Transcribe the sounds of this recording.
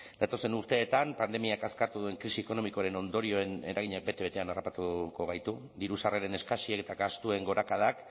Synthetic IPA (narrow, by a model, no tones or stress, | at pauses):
d̪̥at̪o̞se̞nuɾt̪e̞ːt̪ampand̪e̞miakaskaɾt̪uðue̞ŋkɾisieko̞no̞miko̞aɾe̞no̞nd̪o̞ɾio̞ene̞ɾaɣiɲak̚be̞t̪e̞βe̞t̪e̞anarapat̪uko̞ɣ̞ajt̪u | d̪iɾusareɾe̞ne̞skasieket̪aɡast̪ue̞ŋɡo̞ɾakað̞ak